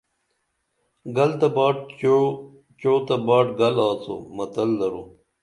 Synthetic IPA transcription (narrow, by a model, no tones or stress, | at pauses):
ɡɐlt̪ɐbaːʈ̚ | t͡ɕoːt̪ɐbaːʈɡɐlaːt͡so̰mɐt̪ɐlːɐɾu